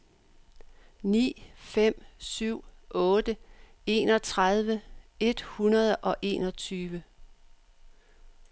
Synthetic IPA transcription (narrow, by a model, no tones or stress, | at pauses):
nḭːfem̰syʊ̰ɔːd̥əe̝̰ːnɒt͡sʰʁað̞ˠʋəe̝d̥hunɐð̞ˠʔɒ̽ʔe̝̰ːnɒ̽t͡sʰyːʋə